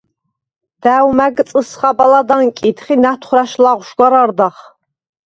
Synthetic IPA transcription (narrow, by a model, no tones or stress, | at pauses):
d̪̥æwmæɡɨt͡sʼəsχɑbalad̪aŋkʲʼit̪ʰχinat̪ʰχʷɾaʃlaʁʷʊʃɡʷaɾard̪aχ